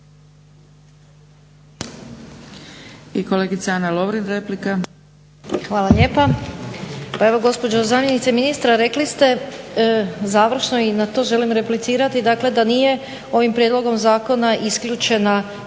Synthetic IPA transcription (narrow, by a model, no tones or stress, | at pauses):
ikoleːɡit̪saanaloʋɾinɾeplika | xʋaːlˠaʎe̞ːpa | pae̞ʋo̞ɡo̞spo̞d͡ʒo̞zaːmjenit̪seminist̪ɾaɾe̞klist̪e̞ | zaːʋɾ̩ʃno̞inat̪o̞ːʒe̞limɾe̞plit̪siːɾat̪id̪akle̞d̪anije̞ | o̞ʋimpɾjed̪lˠo̞ɡo̞mzaːko̞naʔiskʎut͡ʃe̞na